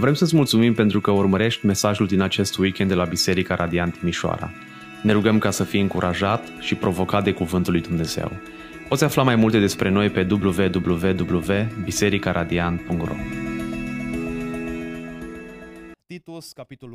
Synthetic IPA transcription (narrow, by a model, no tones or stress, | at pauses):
vɾe̞msəs̬ʲmult̪sumimpe̞nt̪ɾukəurməɾe̞ʃt̪ʲme̞saʒuld̪inat͡ʃe̞st̪wikʲend̪elabise̞ɾikaɾʔad̪iant̪imiʃoa̰ɾa̰ | ne̞ɾuɡəmkasəfijɨŋkuɾʔaʒat̪ʃipɾʔo̞vo̞kat̪̚d̪e̞kuvɨnt̪ulːujd̪umne̞z̥e̞̰w | po̞t̪sʲaflamajmult̪e̞d̪e̞spɾe̞no̞jpe̞d̪ubluve̞d̪ubluve̞d̪ubluve̞bise̞ɾikaɾʔad̪ianpuŋkt̪ro̰ɡ